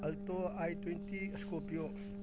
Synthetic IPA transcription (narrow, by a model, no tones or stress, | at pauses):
ɐlt̪oajt̪wɛnt̪iskopio